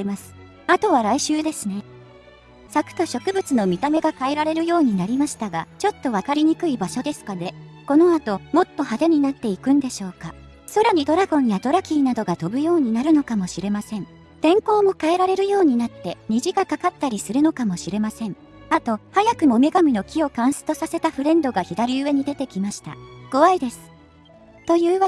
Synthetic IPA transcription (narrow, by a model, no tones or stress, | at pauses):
masɨ̥ | at̪o̞β̞aɾaiɕɨːd̪e̞sɨne̞ | sakɯ̟̥k̪oɕo̞kɯ̟bɯ̟t͡sɨno̞mʲit̪ame̞ɡakae̞ɾaɾe̞ɾɯ̟jo̞ːɲ̟inaɾʲimaɕi̥t̪aɡat͡ɕo̞t̪ːo̞β̞akaɾʲiɲ̟ikɯ̟ibaɕo̞d̪e̞sɨ̥kad̪e̞ko̞no̞at̪o̞mo̞t̪ːo̞had̪e̞ɲ̟inat̪ːe̞ikɯ̟̃nd̪e̞ɕo̞ːka | so̞ɾeɲ̟id̪o̞ɾaɡõ̞ɰ̃jad̪o̞ɾakʲiːnad̪o̞ɡat̪o̞bɯ̟jo̞ːɲ̟inaɾɯ̟no̞kamo̞ɕiɾe̞masẽ̞ɴ | t̪ẽ̞ŋko̞ːmo̞kae̞ɾaɾe̞ɾɯ̟jo̞ːɲ̟inat̪ːe̞ɲ̟iʑiɡakakat̪ːaɾʲisɨɾɯ̟no̞kamo̞ɕiɾe̞masẽ̞ɴ | at̪o̞hajakɯ̟mo̞me̞ɡamʲino̞kʲio̞kãɰ̃sɨ̥t̪o̞sase̞t̪aɸɯ̟ɾẽ̞nd̪o̞ɡaçid̪aɾʲiɯ̟βe̞ɲ̟id̪e̞t̪e̞kʲimaɕi̥t̪a̰ɡ̥o̞βaid̪e̞sɨ̥ | t̪o̞jɯ̟ːβa